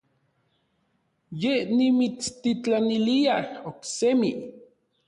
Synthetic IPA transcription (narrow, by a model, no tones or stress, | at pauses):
jenimit͡st̪it͡ɬaniliahoksemi